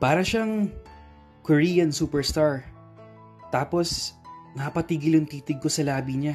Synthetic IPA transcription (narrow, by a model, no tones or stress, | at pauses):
paːɾɐʃaŋ | koɹiːjɐnsuːpɛɹst̪aɹ | t̪aːposnaːpɐt̪iːɡɪlɐŋt̪iːt̪ɪɡ̚ko̞sɐlaːbiɲa